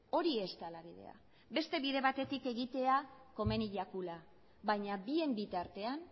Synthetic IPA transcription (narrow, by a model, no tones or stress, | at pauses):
o̞ɾie̞st̪alaβiðe̞̰a̰ | be̞st̪e̞βiðe̞βat̪e̞t̪ike̞ɣit̪e̞ako̞me̞niʎakula | βajɲabie̞mbit̪aɾt̪e̞an